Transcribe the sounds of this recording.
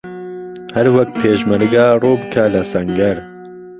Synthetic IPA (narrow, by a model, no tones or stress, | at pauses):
hɛɾwɛk̪̚pʰeːʃmɨɾɡaːruːbɨkʰalɐsɐŋɡɛɾ